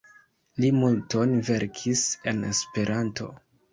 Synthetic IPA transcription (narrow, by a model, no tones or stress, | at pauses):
limulto̞nve̞ɾkʰise̞ne̞spe̞ɾʔantʰo̞̰